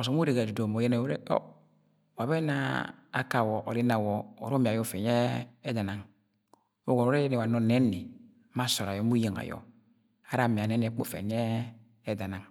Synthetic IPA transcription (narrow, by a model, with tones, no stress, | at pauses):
o˨so˨˦m˦u˦ɾe˨ɡa˨du˨do˨mo˨je˦na˨˦ɾḛ˦o̰˦ | wa˨bɛ˦na̰ː˦ka˨wɔ˨ʔo˨ɾi˦na˨wɔ˨o˨ɾo˦mi˨a˨jɔ˦fɛ˨ɲ˦ɛː˦da˨na˨ŋ | o˦ɡo˨o˦e˦e˦ni˨wa˨no˨nɛ˦ni˨˦ | ma˦so˨ɾa˨jɔ˨˦mu˦je˨ŋa̰˨jɔ̰˨ | a˦ɾa˨mi˨a˨nɛ˦n˦ɛ˦k͡po̰˦˨fḛ˨n˦ɛː˦ | da˨na˨ŋ